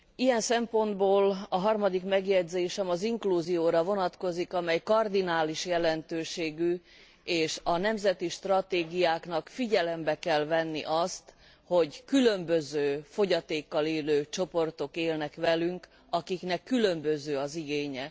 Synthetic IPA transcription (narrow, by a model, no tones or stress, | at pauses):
ijɛnsɛmpo̞nd̪boːlɒɦɒrmɒd̪ikmɛɡjɛɟzeːʃɛmɒziŋkluːzijoːɾɒvo̞nɒt̪ko̞zikɒmɛjkɒrd̪inaːliʃjɛlɛnt̪øːʃeːɡy | eːʃɒnɛmzɛt̪iʃt̪rɒt̪eːɡijaːkn̪ɒkfiɟɛlɛmbɛkɛlvɛnːḭʔɒst̪ | ho̞ɟkylømbøzøːfo̞ɟɒt̪eːkːɒleːløːt͡ʃo̞po̞rt̪o̞keːlnɛkʋɛlyŋk | ɒkiknɛkːylø̞mbøzøːɒziɡeːɲɛ